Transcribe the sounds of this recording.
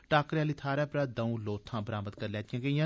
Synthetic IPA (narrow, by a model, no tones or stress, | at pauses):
ʈaːkɾaːliːt̪ʰaːɾɛːpɾaːd̪əũːloːt̪ʰːãːbəɾaːmət̪kəɾlɛːt̪ijãːɡəĩjãː